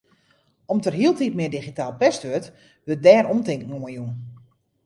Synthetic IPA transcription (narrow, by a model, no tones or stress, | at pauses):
ɔmtərɦiəlˠtitmɪədiχitaːlˠpɛstʋøt | ʋøt̚dɛːromtɪŋkn̩oəjun